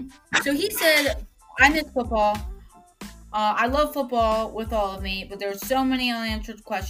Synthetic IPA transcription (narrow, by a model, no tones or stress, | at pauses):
soʊisɛɾ | ãɪ̃mɨtfʊt̚b̥ɔlˠ | ʔʌaɪlʌv̥fʊt̚b̥ɔlˠwɪðɔlˠʌvmibʌt̪̚ðə˞z̥soʊmɛniə̃niæ̃nsə˞d̚kʰw̥ɛst͡ʃ